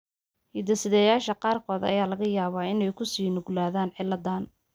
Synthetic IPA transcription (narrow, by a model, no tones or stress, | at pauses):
hɪd̪ɐsɪðɛjaːʃɐqɑːrkʰɔːd̪ɐ̰jaːlɐɣɐjaːβaːɪnɛjkʰʊsiːnʊɡlaːðaːnʕɪlːɐd̪aːn